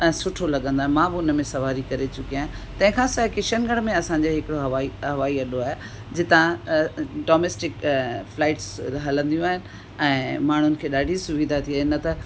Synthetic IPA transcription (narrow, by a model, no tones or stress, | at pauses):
ɛ̃ːsʊʈʰolɐɠə̃nd̪aːɦmãːbɪʊnəmẽsɐʋaːɾikɐɾet͡ɕʊkijaːɦ | t̪ɐ̃ɦɪ̃kʰãːsakɪʃənɡɐɽ̤̃mẽɐsãɲd͡ʑoɦɪkɪɽoɦɐʋaiɦɐʋaːiɐɗoaːɦe | d͡ʑɪt̪ã | ɖoːmeːsʈɪkflaːɪʈsɦɐlə̃nd̪ijũaːɦɪnɪ̆ | ɛ̃ːmaːɳ̤ʊnɪ̆kʰeːɗaːɖʱisʊʋid̪ʱat̪ʰiaːɦɪnɐt̪ɐ